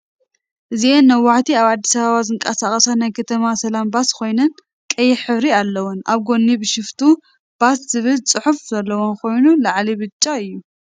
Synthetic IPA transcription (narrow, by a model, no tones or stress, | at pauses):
ʔɨzienːɐwːaħt̪ʰiaβad̪ːisɐβaβazɨŋkʼɐsaxʼɐsanajkʰɐt̪ʰɐmasɐlambaskʰo̞jnɐn | kʼɐjːɪħɨβɾialːɐwunʔaβɡo̞nːibɨʃɪft̪ʰu | b̥asz̥ɨβɨlt͡sʼɨħufzɐlːɐwonkʰo̞jnulaʕlibɨt͡ʃʼːaɨjːu